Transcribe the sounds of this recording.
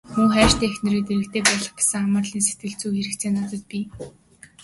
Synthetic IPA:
muːχæːʃt̪iːexnĕɾiːt̪eɾɘ̆k̚t̪eːpɔɮɞ̆χpḁsə̆ŋaməːrɮiːns̬e̥t̪̚ɡɘ̆ɮt͡suːxeɾɘ̆kt͡sʰeːnɔt̪ɞ̆t̪̚piː

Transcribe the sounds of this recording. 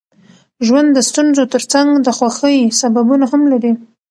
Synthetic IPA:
ʒwand̪ːəst̪unzot̪əɾt͡saŋɡd̪əxwaxəjsababunahamlaɾi

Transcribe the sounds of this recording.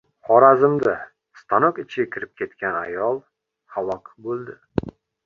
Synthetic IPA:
χɒɾazɪmd̪a | st̪ʰanɒkɪt͡ʃʰɪɡʲakʲʰɪɾɪp̚kʲʰe̞t̪kʲʰana̰jɒlˠ | halˠɒkʰbolˠd̪ɪ

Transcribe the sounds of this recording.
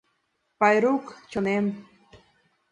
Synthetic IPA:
pɑjɾukt͡ɕonem

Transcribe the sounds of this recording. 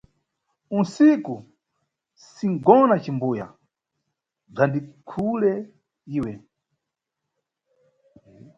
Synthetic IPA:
unsiku | siŋɡɔnat͡ʃimbuja̰ | b͡ʐandikʰulɛ | iːwɛ

